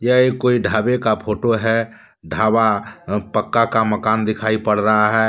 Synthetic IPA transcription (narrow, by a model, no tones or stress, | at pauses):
jəekːoːiɖʱaːbekapʰoːʈoɦɛ | ɖʱaːbapəkːakaməkaːnd̪ɪkʰaːipəɽɾəɦaɦɛː